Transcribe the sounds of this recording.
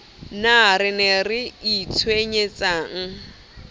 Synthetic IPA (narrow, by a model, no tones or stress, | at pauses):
naɾɪnɛrɪit͡sʰweɲet͡sʼaːŋ̩